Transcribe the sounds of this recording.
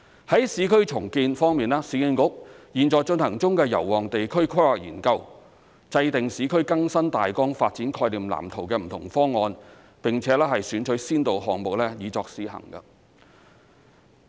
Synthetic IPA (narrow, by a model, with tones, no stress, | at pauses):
hɐ˨˥jsiː˨˥kʰɵ˥ɥt͡sʰʊ˨˩ŋkiː˧nfɔː˥ŋmiː˨naː˥siː˨˥kɪ˧ŋkʊ˨˥k̚jiː˨˩nt͡sɔː˨jt͡ʃɵ˧nhɐ˨˩ŋt͡sʊ˥ŋkɛː˧jɐ̰˨˩wːɔː˨ŋt̪e˨jkʰɵ˥ɥkʰa˥laː˨k̚jḭː˨˩nkɐ˧w | t͡sɐ˧jt̪ɪ˨ŋsiː˨˥kʰɵ˥ɥkɐ˥ŋsɐ˥nt̪aː˨jkɔː˥ŋfaː˧t̚t͡siː˨˥nkʰɔː˧jliː˨mla̰ː˨˩mt̪ʰʊ˨˩wkɛː˧m̩˨˩t̪ʰʊ˨˩ŋfɔː˥ŋːɔː˧n | pɪ˨˩ŋt͡sʰɛː˨˥lɛː˥ɦɐ˨jsyː˨˥nt͡ʃʰɵ˨˥ɥsiː˥nt̪o˨wɦɔː˨ŋmʊ˨k̚lɛː˥jiː˨˧t͡sɔː˧k̚siː˨˥hɐ̰˨˩ŋɡɐ̰˧